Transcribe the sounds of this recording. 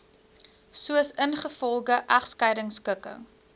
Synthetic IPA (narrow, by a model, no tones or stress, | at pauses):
suəsənχəfɔlˠɡəʔɐχskɐjdəŋskəkə̰ŋ